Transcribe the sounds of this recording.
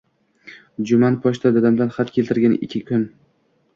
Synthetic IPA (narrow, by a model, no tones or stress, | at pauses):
d͡ʒʊmanpʰɒʃt̪ʰad̪ɒd̪amd̪anχat̪kʰʲe̞lʲt̪ɪɾɡʲanɪ̰kʲʰːɪkʰʲʊn